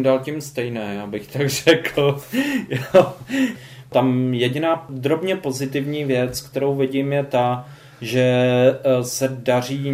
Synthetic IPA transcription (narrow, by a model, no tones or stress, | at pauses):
mdalcɪmst̪ɛjnɛːjaːbɪxt̪aɡr̝̥ɛkl̩jo | t̪amjɛɟɪnaːd̪ɾo̞bɲɛpo̞zɪt̪ɪvɲiːvjɛt͡skt̪ɛɾo̞wvɪɟɪmjɛt̪a | ʒɛ | sɛdar̝iː